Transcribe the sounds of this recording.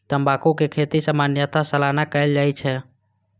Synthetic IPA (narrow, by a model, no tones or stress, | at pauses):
t̪əmbakukekʰet̪isamanjat̪asəlanakəɪld͡ʒaːit͡ʃʰɛ